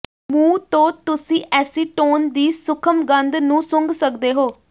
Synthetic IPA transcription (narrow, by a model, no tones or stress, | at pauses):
mũːt̪õːt̪ʊsĩːʔɛːsiːʈoːnd̪iːsʊkʰəmɡənd̪nũːsʊ̃ŋɡsəkd̪eːɦoː